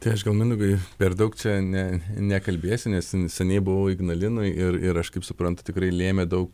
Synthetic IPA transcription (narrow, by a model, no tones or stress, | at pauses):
t̪ɐɪɐʃɡɐlˠmʲɪnd̪ʊɡɐɪpʲɛrd̪ɐʊkt͡ʃʲɛnʲɛnʲɛkɐlʲbʲeːsʲʊnʲɛssʲɛnʲɛɪbʊʋɐʊɪɡnɐlʲɪnʊɪʔɪrɪɾɐʃkɐɪpsʊpɾɐnt̪ʊ̥t̪ʲɪkɾɐɪlʲeːmʲɛd̪ɐʊk